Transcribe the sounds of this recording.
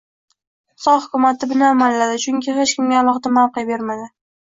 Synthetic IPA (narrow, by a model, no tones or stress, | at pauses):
sɒhʊkʰʲʊmat̪ʰɪbɪnaːmalːad̪ɪt͡ʃʰʊŋʲkʲʰɪhet͡ʃkʲɪmɡʲaːlˠɒχd̪amawqɨjabe̞ɾmad̪ɪ